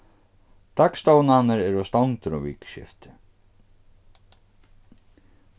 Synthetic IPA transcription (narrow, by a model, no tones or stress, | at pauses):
t̪akst̪oːwnahanːaɾɛɾɔst̪awŋt̪ʏɾɔ̰vḭːkɕɪ̰ft̪ɪ̥